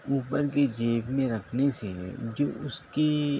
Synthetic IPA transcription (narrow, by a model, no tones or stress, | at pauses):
uːpəɾked͡ʒeːpmẽɾɐkʰnesed͡ʒoːʊske